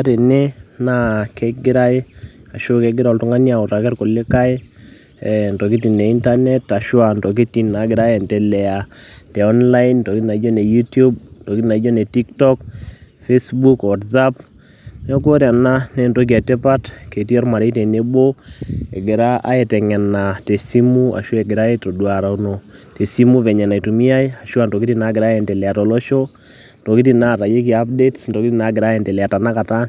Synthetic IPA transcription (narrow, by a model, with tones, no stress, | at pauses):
a˦te˨ne˦na˦ke˦ɡɪ˦ɾa˦e˦a˨ʃo˦ke˦ɡɪ˦ɾɔ˨ltʊ˦ŋa˦nja˨o˨ta˨kɛ˦rko˨le˦ka˦e˦˨ | nto˨ki˦t̬i˨nːe˨i˦nta˦nɛ˦ta˨ʃwa˨ndo˨k̬i˦ti˨nːa˨ɡɪ˨ɾa˦e˨ntɛ˨lɛ˨a˨tɛ˨ɔ˦nla˦into˨ki˦na˨˦d͡ʒo˦ne˨ju˦tu˦b̚nto˨ki˦na˨˦d͡ʒo˦ne˨ti˦ktɔ˦k | fe˦sbu˦kwa˨tza˦p | ne˦k̬o˦ɾja˨na˦ne˦nto˦k̬ia˨te˦pa˦tke˨ti˦ɔ˦rma˨ɾe˦te˨ne˦bo˦e˨ɡɪ˨ɾa˦ʔa̰˦e˨tɛ˨ŋɛ˨nːa˨te˨si˦mu˦a̰˨ʃo˦e˨ɡɪ˨ɾa˦e˦to˨dwa˨ɾa˨uno˨ | te˨si˦mu˦vɛ˨ɲɛ˨na˨i˨tu˨mi˦a˦ja˨ʃwa˨nto˨ki˦ti˦na˦ɡɪɾa˦e˨nte˨lɛ˨a˨tɔ˨lɔ˦ʃo˦ | nto˨ki˦ti˨na˦˨ɾa˨je˦k̬i˨a˦p̚de˦tnto˨ki˦ti˦na˨ɡɪ˨ɾa˦e˨ntɛ˨lɛ˨a˨ta˨na˦ka˨ta˦